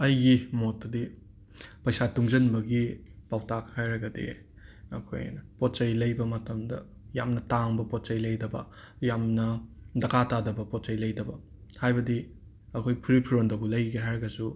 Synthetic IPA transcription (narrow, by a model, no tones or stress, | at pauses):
ɐjɡimotːɐdi | pɐjsatuŋzɐnbɐɡipawtakhajɾɐɡɐdḭ | ɐ̰kʰo̰jnɐpot̚t͡ʃɐjlɐjbɐmɐtɐmdɐ̰ | ja̰mnɐtaŋbɐpot̚t͡ʃɐjlɐjdɐbɐ̰ | jamnɐdɐkʰatadɐbɐpot̚t͡ʃɐjlɐjdɐbɐ | hajbɐdi | ɐkʰojpʰuɾipʰuɾondɐbulɐjɡeɦajɾɐɡɐsu